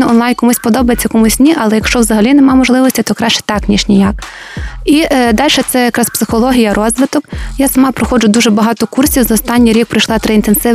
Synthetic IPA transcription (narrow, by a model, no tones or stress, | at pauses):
nɛɔnlˠɑjnkɔmusʲpɔd̪ɔbɐjet͡sʲːɐkɔmusʲnʲiʔɐlˠɛjɐkʃt͡ʃɔʋwzɐɦɐlʲinɛmɑmɔʒlˠɪʋɔsʲtʲit̪ɔkɾɑt͡ʃɛ̥t̪ɑknʲiʃnʲijak̚ | id̪ɑlʲʃɛt̪sɛjɐkɾɑspsɪxɔlˠɔɦʲijɐɾʔɔzʋɪt̪ɔkjasɐmɑpɾɔxɔd͡ʒʊd̪uʒɛbɐɦɑt̪ɔkursʲiwzɐɔst̪ɑnʲːijɾʲik̚pɾɐjʃlˠɑt̪ɾɪint̪ensɪ